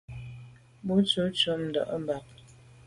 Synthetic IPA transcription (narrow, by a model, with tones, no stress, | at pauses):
bu˦t͡ʃu˨˦t͡ʃu˨˦m̩˨dɔ̰˨ʔm˦ba˨p̚